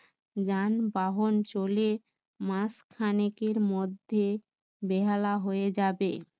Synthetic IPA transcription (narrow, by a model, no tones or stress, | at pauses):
d͡ʑanbaɦont͡ɕole | maskʰanekeɾmod̪ʱːe | beɦalaɦoed͡ʑabe